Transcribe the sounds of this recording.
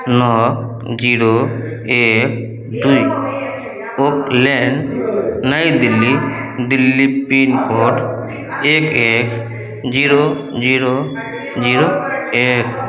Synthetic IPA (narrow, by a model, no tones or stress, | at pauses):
nɔ | d͡ʒiɾo | ek̚ | d̪uj | ok̚lɛnnəjd̪ilːid̪ilːipinkɔʈ | ekek | d͡ʒiɾo | d͡ʒiɾo | d͡ʒiɾoek̚